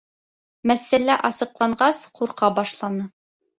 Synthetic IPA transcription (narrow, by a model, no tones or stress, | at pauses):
mæsːælæʔɑsɤ̆qlˠɑɴɢɑsquɾqɑbɑʃlˠɑnɤ